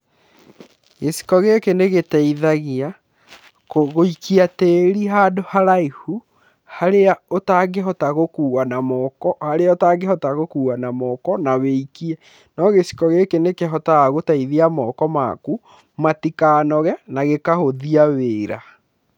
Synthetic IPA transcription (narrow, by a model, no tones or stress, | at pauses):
ɣesi̥kɔɣekeneɣetɛiðaɣia | koɣoikʰiateɾiɦaːdohaɾaihu | haɾeaotaɡeɦɔtaɣokuːwanamɔkɔhaɾeaotaɡehɔtaɣokuːwanamɔːkɔnaweikiɛ | nɔɣesi̥kɔɣekenekeɦɔtaɣotaiðiamɔːkɔma̰ku | matikaːnɔɣɛnaɣekahoðiaweːɾa